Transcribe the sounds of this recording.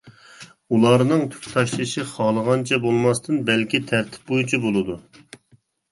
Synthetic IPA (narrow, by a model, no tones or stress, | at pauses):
ulˠɑɾnɨŋt̪ʰy̥kʲt̪ʰɑʃlˠɨʃɨχɑlˠəʁɑnt͡ʃʰɛbolˠmɑst̪ʰɨnbɛlkʲit̪ʰæɾt̪ʰɪ̥p̚bojut͡ʃʰibolˠɨd̪u